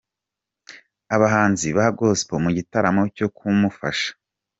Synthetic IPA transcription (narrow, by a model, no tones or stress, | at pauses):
aβaɦaːnziβaaɡo̞spomuɟitaɾamo̞co̞kʰumufaʃḁ